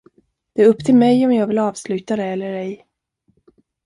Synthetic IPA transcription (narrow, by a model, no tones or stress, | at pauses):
d̪̥ɛːɾɵpːt̪ʰɪlmɛjɔmjɑːɡvɪlɑːvslʉ̟ːt̪ad̪ɛɛlːəɾɛj